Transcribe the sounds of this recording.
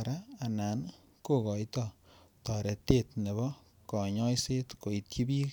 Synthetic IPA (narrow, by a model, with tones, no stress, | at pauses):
ɾaː˦˨na˨n | ko˦kɔ˨jtɔ˦tɔ˨ɾe˨te˦tne˨βɔ˦ | kɔ˨ɲɔ˦jse˦tko˨i˨t̚ki˦bi˦